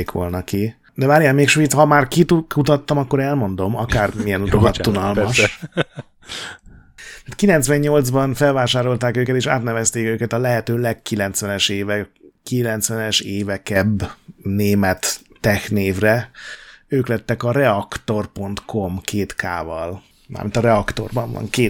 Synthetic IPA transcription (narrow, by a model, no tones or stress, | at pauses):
eːkʋo̞̰lnɒki | d̪ɛvaɾijɛmeːkʃʋiːt̪shɒmaːrkiukut̪ɒt̪ːɒmɒkːo̞ɾɛlmo̞nd̪o̞mɒkaːrmijɛnut̪oɦɒt̪ːunɒlmɒʃ | mɛt̪kilɛnt̪sʋɛɲɲo̞ld̪zbɒnfɛlvaːʃaːɾo̞lt̪aːkøːkɛt̪eːʃa̰ːt̪nɛvɛst̪eːkøːkɛt̪ɒlɛɦɛt̪øːlɛkkːilɛnt̪sʋɛnɛʃeːvɛkilɛnt̪sʋɛnɛʃeːvɛkɛbneːmɛt̪ːɛxneːvrɛ | øːklɛt̪ːɛkɒɾɛɒkt̪o̞rpo̞nt̪kʰo̞mkʰeːt̪ka̰ːvɒl | ma̰ːmint̪ɒɾɛɒkt̪o̞̰rbɒɱvɒ̰ŋkeː